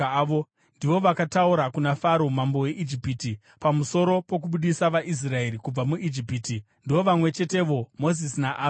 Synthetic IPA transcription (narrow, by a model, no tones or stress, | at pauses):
o | ndiʋo̞ʋakatauɾakunafaɾo̞mambo̞wje̞ʔid͡ʒipiti | pamuso̞ɾo̞po̞k̬uɓuɗisaʋaʔis̬rae̞ɾikub͡vamuʔid͡ʒipiti | ndiʋo̞ʋamwe̞t͡ʃe̞te̞ʋo̞mo̞zisinaʔaː